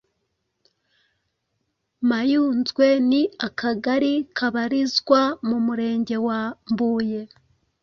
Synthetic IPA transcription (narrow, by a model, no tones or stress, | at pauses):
majuːnzɡwe̞niakʰaɡaɾikʰaβaɾizɡwamumuɾe̞ːɲɟe̞wambuːje̞